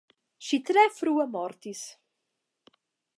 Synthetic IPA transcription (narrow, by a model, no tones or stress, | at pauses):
ʃit̪ɾɛfɾuəmɔɾt̪is